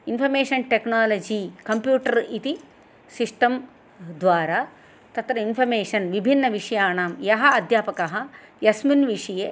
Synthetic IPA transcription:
inpʰɐɾmeːʂɐnʈeknaːlɐd͡ʒiːkɐmpjuːʈɐɾit̪i | siʂʈɐm | d̪ʋaːɾaː | t̪ɐt̪ɾɐinpʰɐɾmeːʂɐnʋibʱinːɐʋiʂɐjaːnaːmjɐɦɐɐd̪ʱjaːpɐkɐɦɐjɐsminʋiʂɐjeː

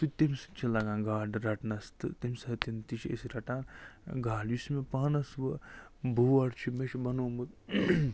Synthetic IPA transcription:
t̪ut̪imsɨ̥t͡ʃʰilɐɡãːnɡaːɖɾɐʈnɐst̪ɨt̪imsɐt̪int̪it͡ʃʰiḛsiɾɐʈaːnɡaːljusmepaːnɐsʋɨbʱuɐɾt͡ʃʰimet͡ʃʰbɐnuːmɨt̪

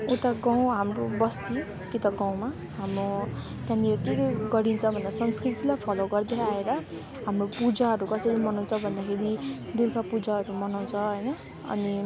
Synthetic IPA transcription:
uʈaɡaw̃ɦamrobʌst̪i | kit̪ʌɡaw̃ma | ɦamro | t̪ãniekeɡʌɾint͡sʰʌbʱʌnd̪asʌnskrit̪ilajpʰʌloɡʌrd̪eaeɾʌ | ɦamropud͡zaɦʌɾukʌsʌjlimʌnaw̃nt͡sʰʌbʱʌnd̪akʰeɾid̪uɾkapud͡zaɦʌɾumʌnaw̃t͡sʰʌɦʌjnʌ | ʌ̰ni

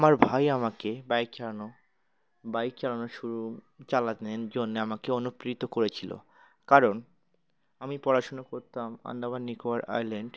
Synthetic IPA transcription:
amaɾbʱajamakebajkt͡ɕalano | bajt͡ɕalanoʃuɾu | t͡ɕalaeɾd͡ʑonːeamakeonupɾit̪okoɾet͡ɕʰilo̰ | kaɾon | amipɔɾaʃonokoɾt̪ama̰nd̪abanikoaɾa̰jleɳɖ

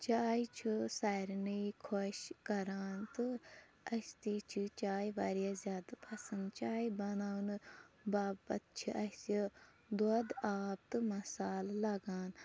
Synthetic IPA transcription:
t͡ʃaːit͡ʃʰisaːjɾnəkʰoʃkɐɾaːnt̪ɨ | ɐst̪iːt͡ʃʰit͡ʃaːjʋaːɾijazʲjaːd̪pʰɐsɐnɡt͡ʃaːibɐnaːunbaːbɐt̪̚t͡ʃʰiʔɐsi | d̪od̪aːp̚t̪ɨmɐsaːllɐɡaːn

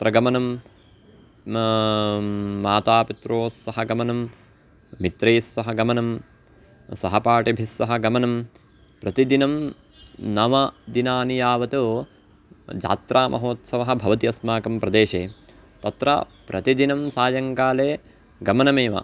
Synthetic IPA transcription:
t̪ɾɐɡɐmɐnɐm | aːt̪aːpit̪ɾoːsːɐɦɐɡɐmɐnɐmː | it̪ɾeːsːɐɦɐɡɐmɐnɐm | sɐɦɐpaːʈebʱisʋɐɦɐ̆ɡɐmɐnɐm | pɾɐt̪id̪inɐm | nɐmɐd̪inaːnijaːʋɐt̪oː | d͡ʒa̰ːt̪ɾʔaːmʔɐ̰ɦoːt̪sɐʋɐɦɐ̆bʱɐʋɐt̪iɐsmaːkɐmpɾɐd̪eːʃeːt̪ɐt̪ɾɐ̰pɾɐt̪id̪inɐmsaːjɐŋkaːleː | ɡɐmɐnɐmeːʋɐ̰

